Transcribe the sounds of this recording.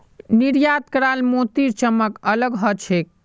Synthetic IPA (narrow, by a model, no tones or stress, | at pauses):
niɾjad̪̚kəɾalmot̪iɾt͡ʃəmːəkələɡɦɔt͡ʃʰek̚